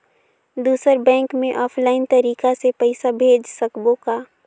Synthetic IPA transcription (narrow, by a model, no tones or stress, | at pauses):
d̪uːsəɾbɛ̃ːŋkmẽʔɔːpʰlaːɪnt̪ɐɾiːkasepɛɪsabʱeːd͡ʒsɐkbokaː